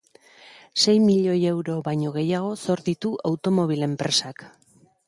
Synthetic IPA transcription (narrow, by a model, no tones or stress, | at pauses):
se̞jmiʎo̞je̞wɾo̞βajɲo̞ɣ̞e̞jaɣ̞o̞so̞ɾðit̪uʔawt̪o̞mo̞β̞ile̞mpɾe̞sak